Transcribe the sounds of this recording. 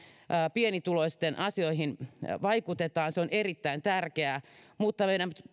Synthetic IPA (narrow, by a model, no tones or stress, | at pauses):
ʔːpienit̪uloist̪enʔɑsioihinʋɑikut̪et̪ɑːnseonerit̪ːæint̪ærkeæːmuːt̪ːɑmeiɾæmp̪